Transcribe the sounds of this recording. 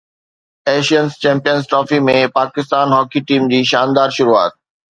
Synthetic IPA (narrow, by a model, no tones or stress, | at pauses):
eʃiənst͡ɕɛ̃mpijənsʈɾɔfimẽpakɪst̪anɦɔkiʈimd͡ʑiːʃand̪aɾʃuɾua̰ːt̪̚